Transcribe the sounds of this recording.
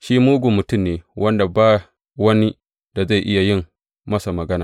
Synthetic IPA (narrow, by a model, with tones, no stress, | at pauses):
ʃiː˦muː˦ɡʷu˨mʊ˨tʊ˦˨mneː˨wʔɐ˦nda˨baː˦˨ | wɐ˦ni˦ | d̥a˨za˦˨ʔɪ˦ja˨jɪ˦mː | ɐ˦sa˨mɐ˨ɡɐ˦naː˨